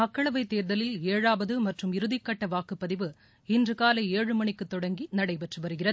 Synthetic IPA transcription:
ɐkːɐɭɐʋɐɪt̪ːeːɾðɐlɪleːɻaːʋɐðɯmɐʈrɯmɪɾɯðɪkːɐʈːɐʋaːkɯpːɐðɪʋɯ | ɪndrɯkaːlɐeːɻɯmɐɳɪkːɯt̪ːɔɽɐŋɡinɐɽɐɪpɛʈrɯʋɐɾɯɣɪrɐðɯ

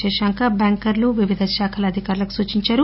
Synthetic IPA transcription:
ɛːʃaŋkɐbaːŋkɐɾluʋiʋid̪ʱɐʃaːkʰɐlɐːd̪ʱikaːɾulɐku̥suːt͡ʃiɲt͡ʃaːɾu

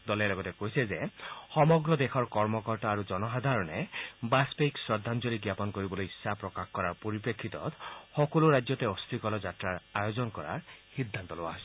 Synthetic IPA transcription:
d̪ɔlelɔɡɔtekojsezehɔmɔɡɾɔd̪exʰɔɹkɔɹmɔkɔɹtaːɾud͡ʒɔnɔɦad̪ʱaɾɔnebaspejksɹɔd̪ʱːand͡ʒɔɾiɡjapɔnkoɾibɔlojisːapɾɔkaxkɔɾaɹpɔɾipɾekʰːit̪ɔ̰t̪xɔkɔluɾajd͡ʒjɔt̪eɔst̪ikɔlɔd͡ʒatɾaɹajozɔnkɔɾa̰ɹxid̪ʱːant̪ɔloaɦs

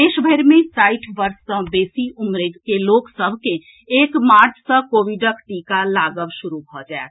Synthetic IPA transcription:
eːʃbʱəɪɾmẽsaːɪʈʰʋəɾsːə̃beːsiʔʊmɾekeloːksəbʱkẽ | eːkmaːɾd͡ʒsə̃koːʋiɖəkʈikalaːɡəʋʃʊɾubʱɔd͡ʒaet̪

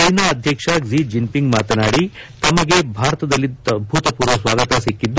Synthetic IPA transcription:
ɐnɐːd̪ʱjɐkʂɐɡzid͡ʒimpiŋɡmaːt̪ɐnaːɽit̪ɐmɐɡebʱaːɾɐt̪ɐd̪ɐlːid̪̚bʱut̪ɐpuːɾʋɐsʋaːɡɐt̪ɐsikːid̪ːu

